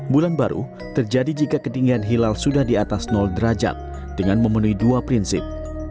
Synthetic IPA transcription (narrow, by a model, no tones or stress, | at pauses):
bulanbaɾṵ | t̪ərd͡ʒadid͡ʒikakətiŋɡianɦilalsudahdiat̪asnɔldəɾad͡ʒa̰t̪̚ | d̥əŋanməmənuiduapɾinsɪp̚